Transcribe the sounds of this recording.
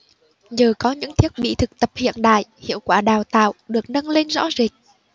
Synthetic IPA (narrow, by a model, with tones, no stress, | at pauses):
zəː˨˩kɔ˨˦ɲɨ̰˧˥ŋt̪ʰi˦˥ət̚ɓḭ˧˨t̪ʰɨ˨˩k̚t̪ə˨˩p̚hḭ˧˨ənɗa̰ː˧˨jhḭ˧˨əwkwaː˧˩ɗaː˨˩wt̪a̰ː˧˨wɗɨ˨˩ək̚nə˧nle˧nzɔ̰˧˥zi˨˩k̚